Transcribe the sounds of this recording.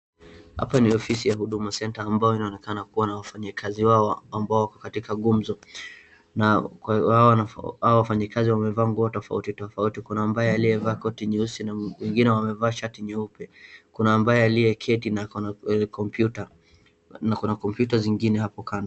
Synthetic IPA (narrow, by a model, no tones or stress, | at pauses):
ha̰paniɔfisijahuɗumasɛntaːmbajɔinaɔnɛkanakuwanawafaɲikʰaziwaɔambaɔwakɔ̥katikaɠum̩zɔ | nahawanaaɔwafaɲikaziwamɛvaːŋɡuɔtɔfa̰utitɔfautikunaːmbajɛjaliɛvaːkɔtiɲɛusinawɛŋɡinɛwamɛvaːʃatiɲɛupɛkunaːmbajɔjaliɛkʰɛtinakɔputa | nakunakɔmpjutaziŋɡinɛhapɔkand